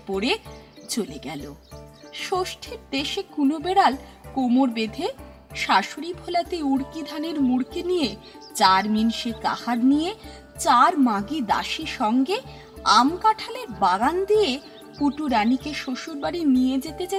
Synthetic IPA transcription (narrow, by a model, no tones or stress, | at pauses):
poɾet͡ɕoleɡɛlo̰ʃoʃʈʰeɾd̪eʃekunobeɽal | komoɾbed̪ʱe | ʃaʃoɾibʱolat̪euɽkid̪ʱaneɾmuɽkenije | t͡ɕaɾminʃeka̰haɾnije | t͡ɕaɾmaɡid̪a̰ʃiɾʃɔŋɡe | amkaʈʰaleɾbaɡand̪ije | kuʈuɾanikeʃoʃuɾbaɾinijed͡ʑet̪ed͡ʑa